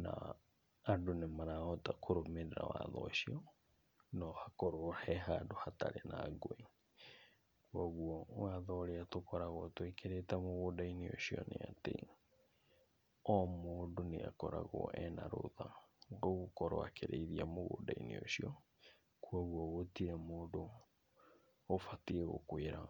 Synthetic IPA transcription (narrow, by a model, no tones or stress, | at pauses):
na̰ | adonemaɾaɔtakʰoɾomeɾeɾa̰waðɔʃiɔ | nɔhakoɾohɛɦadohataɾenaɡoe | kwɔɣuɔwaðɔɾeatokɔɾaɣɔtwekeɾetamoɣoːdaineo̰ʃiɔneatḛ | ɔmoːdonḛakɔɾaɣɔ̰ʔɛnaɾo̰ðaoɣokɔɾɔ̰akʰeɾeiðiamoɣo̰daḭnḛoʃiɔ | kwɔɣwɔɣotiɾɛmoːdo | fatiɛɣo̰kweɾa